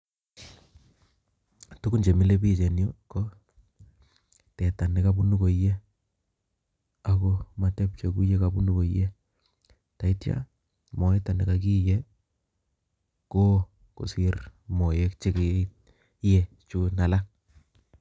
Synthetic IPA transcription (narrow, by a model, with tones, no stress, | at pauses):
tu˦ku˦nt͡ʃe˨mɪ˦le˦pi˦˨t͡ʃe˨njo˦ko˦ | tɛ˨ta˨nɪ˨ka˦bu˦nu˦ko˨˦je˦ | a˨ko˦ma˨tɛ˦p̚t͡ʃe˨ku˦je˦ka˨bu˦nu˦ko˨˦je˦ | ta˨i˦tja̰˦ | mɔ˨ɛ˦ta˨nɪ˨ka˨k̬i˦je˦ | ko˦ | ko̰˨sɪ˦rmo˨je˦k̚t͡ʃe˦ke˦ | je˦ | t͡ʃu˦na˨la˦